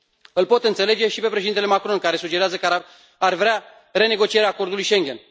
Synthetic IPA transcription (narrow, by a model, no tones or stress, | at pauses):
ɨlpo̞t̪ɨnt̪se̞le̞d͡ʒe̞ʃipe̞pɾeʃed̪int̪elemakɾo̞nkaɾe̞sud͡ʒe̞ɾeazək | arvɾea | ɾe̞ne̞ɡo̞t͡ʃije̞ɾeaːko̞rd̪ulujʃe̞ŋɡʲe̞n